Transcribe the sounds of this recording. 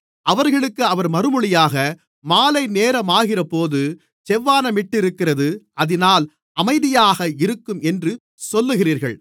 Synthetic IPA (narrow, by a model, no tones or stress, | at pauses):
ʔɐʋɐɾɣɐɭɯkːɯɐʋɐɾmɐɾɯmɯɭɪjaːɣɐ | maːlɐɪneːɾɐmaːɣɪrɐpoːðɯ | t͡ʃɛʋːaːnɐmɪʈːɪɾɯkːɪrɐðɯɐðɪnaːl | ɐmɐɪðɪjaːɣɐɪɾɯkːɯmɛndrɯ | sɔlːɯɣɪriːɾɣɐ̰ɭ